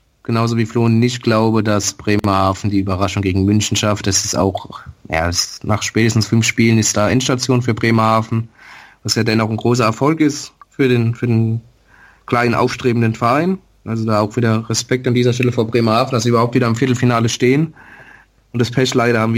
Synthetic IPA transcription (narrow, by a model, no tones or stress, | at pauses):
ɡ̥ənaʊzoviːfloːnnːɪçtɡ̥laʊbədasb̥ʁeːmahaːfn̩diːyːbɐʁaʃʊŋɡeːɡŋ̩mʏnçn̩ʃaftɛsɪsta̰ʊxja̰ːɛsnaːχʃpɛːtəstn̩sfʏnfʃpiːlənɪstd̥aːʔɛnʃtat͡sjoːnfyːɐbʁeːmahaːfn̩vasjaːdɛnaʊxnɡʁoːs̬ɐɛɐfɔlkɪstfyːɐdeːnfyːɐdeːn | kl̥aɪnənʔa̰ʊfʃtʁ̥eːbmn̩dənfɛɐʔaɪn | ʔalzodaːaʊxv̥iːdɐʁɛspɛk̚tandiːzɐʃtɛləfoːɐbʁeːmahaːfn̩dasiʔyːbɐhaʊptviːdɐamfɪɐtˡl̩finaːləʃteːən | ʊntd̥aspʰɛʃlaɪɾɐhaːbm̩vi